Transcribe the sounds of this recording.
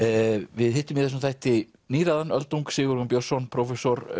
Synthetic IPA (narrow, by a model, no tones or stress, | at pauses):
vɪðhɪht̪ːʏmjɛθɛs̬mθajht̪ɪ | niːɾaðanœlt̪uwŋksɪːɣʏɾɔmpjɔsɔnpʰɾɔwfɛsɔɾ